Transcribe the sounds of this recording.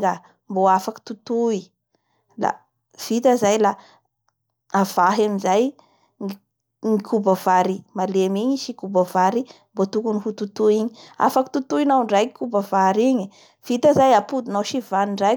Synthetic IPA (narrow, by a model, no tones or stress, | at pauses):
ɡa | mboafaki̥t̪ut̪ui | la̰ | v̥it̪əzajla | av̥aɦamizaj | ŋikʰubəv̥aɾimalemiɲiʃikubəvaɾi | mbot̪ukunihut̪ut̪uiɲia̰faki̥t̪ut̪uinawɳɖ͡ʐajikubəvaɾiɲi | v̥it̪əzajapud̪unawʃivaniɳɖ͡ʐaj